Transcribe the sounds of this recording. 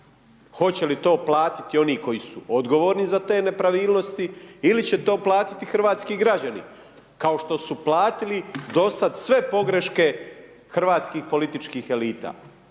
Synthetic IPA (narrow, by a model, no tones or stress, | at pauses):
xo̞t͡ɕe̞lit̪o̞ːplˠaːt̪i̥t̪io̞niːko̞jisuʔo̞d̪ɡo̞ʋoːɾnizat̪e̞ːne̞pɾaʋiːlˠno̞st̪iilit͡ɕe̞t̪o̞ːplˠaːt̪i̥t̪ixr̩ʋaːt̪skiɡɾad͡ʑanḭ | kaoʃt̪o̞suplˠaːt̪ilid̪o̞sad̪sʋe̞po̞ɡɾe̞ʃke̞ | xr̩ʋaːt̪skiːxpo̞lit̪it͡ʃkiːxe̞liːt̪a̰ː